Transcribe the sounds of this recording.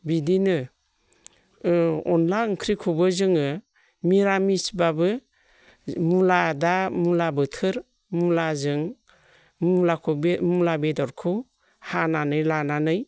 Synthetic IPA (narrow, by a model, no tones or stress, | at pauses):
bidinɯ | ɔnlaɯŋkʰɾikʰɔbɯzɯŋɯ | miɾamisbabɯ | muladamulabɯtʰɯɾ | mulazɯŋ | mlakʰɔbemulabedɔɾkʰɯ | hananɯjlananɯj